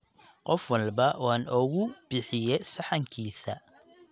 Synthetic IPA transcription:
qɔfwɑlbɐwɑːnɔɣʊb̥ɪħɪjɛjsɑħɑŋkʰiːsɐ

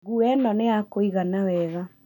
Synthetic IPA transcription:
ɣuɛnɔneakoiɣanawɛða

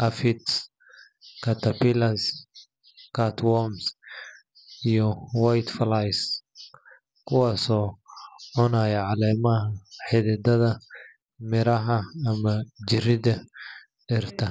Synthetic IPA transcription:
ʔɐfɪt̪s | kʰɐt̪ʰɐpɪlɐs | kʰɐt̪ʰwɔms | ijɔwajt̪flajs | kʰʊwɑːsɔːʕʊnaːjɛʕɑlɛːmɐɦɐħɪðɪd̪ɐðɐ | mɪɾɐɦɐːmɐd͡ʒɪrɪðɐ | ɖɛrt̪ʰɐ

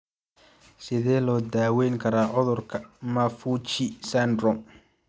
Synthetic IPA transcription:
sɪðɛːlɔːd̪aːwɛjŋkʰɐɾaːʕɔðɔrkʰɐmafuːt͡ʃɪsand̪rɔ

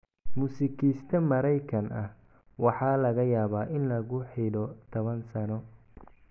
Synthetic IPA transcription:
muːsɪkʰiːst̪ʰɐmɐɾɛjkʰɐnɐh | wɑħɑːlɐɣɐjaːβaːʔɪnlɐɣʊħiɖɔt̪ʰɔβɐnsɐnɔ

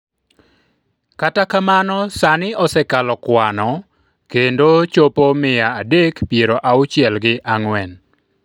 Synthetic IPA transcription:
katakamanɔsanɪɔsɛkalɔkwanɔ | kendot͡ʃopomɪjaːdekpijeɾoʔaʊt͡ʃɪɛlɡɪʔaŋwɛn

